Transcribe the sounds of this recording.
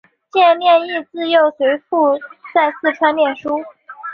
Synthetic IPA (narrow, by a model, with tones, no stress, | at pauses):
t͡ɕjɛ˥˧nljɛ˥˧ni˥˧t͡sɹ̩˥˧jo˥˩ʊswe˧˥ɪfu˥˧t͡sa˥˧ɪsʰɹ̩˥˩ʈ͡ʂʰwa˥nljɛ˥˩nʂu˥